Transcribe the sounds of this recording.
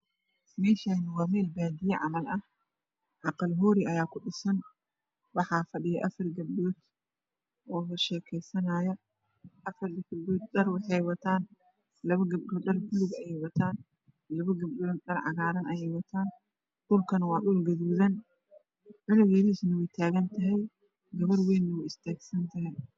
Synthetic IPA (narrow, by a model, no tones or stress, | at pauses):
mɛʃajnɪwɐmɛːlbaːd̪ɪjɐʕa̰mɐlʔɐ | ʕɑqɐlɦɔːɾɪɐjaːkʊɗɪsɐn | wɑħafɐɗɪjɐʔɐfɐɾɡɐbɗuːt̪ | ʔɔːβɐʃɛːkʰɛjsɐnajɐ | ʔɐfɐɾdɐkɐbduːt̪̚ɗɐɾwɑħɛjwɐt̪ʰaːn | lɐβɐɡɐbɗɔːɗɐrkʊlʊɣɐjɛjwɐt̪ʰaːn | lɐβɐɡɐbɗɔnɗɐrʕɑ̰ɣaːɾɐnɐjɛjwɐt̪ʰaːn | ɗʊlkʰɐnɐwɑːɗuːlɡɐðuːðɐn | ʕɪlɐɣɛðisnɐwɛjt̪ʰaːɣɐnt̪ʰɐɦɛj | ɡɐβɐrwɛːnːwʊɪst̪ʰɛːɡsɐnt̪ʰɐɦɛj